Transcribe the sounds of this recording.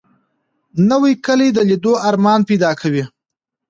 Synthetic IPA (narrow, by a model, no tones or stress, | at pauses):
nəwijkəlijd̪əlid̪oaɾmɑnpejd̪ɑkʰawi